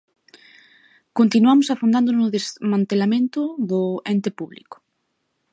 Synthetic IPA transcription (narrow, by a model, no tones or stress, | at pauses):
kont̪inuamʊsafond̪and̪ʊnʊðezmãnt̪elamẽnt̪ʊðʊɛnt̪epuβlḭkʊ̥